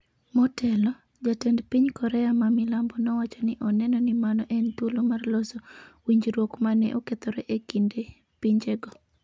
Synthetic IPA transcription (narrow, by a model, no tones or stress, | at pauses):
mɔtɛlɔ | d͡ʒatɛndpiɲkɔɾɛamamɪlambɔnɔwat͡ʃɔnɪʔɔnɛnɔnɪmanɔʔɛnt̪wolomarlɔsɔwiɲd͡ʒɾwokmanɛ̰ʔoket̪ɔɾɛʔekinde | piɲd͡ʒeɡɔ